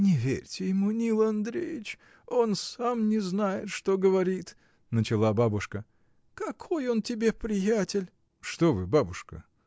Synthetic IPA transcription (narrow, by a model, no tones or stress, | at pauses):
nʲɪvʲḛɾʲtʲɪjɪmunʲilˠɐnd̪ɾʲḛjɪt͡ɕ | onsamnʲɪznajɪt̪ʂt̪oɡəvɐɾʲit̪ | nət͡ɕɪlˠababʊʂkə | kɐkʰo̞jo̞ntʲɪbʲe̞pɾʲɪjætʲɪlʲ | ʂt̪ovɨbabʊʂkə̰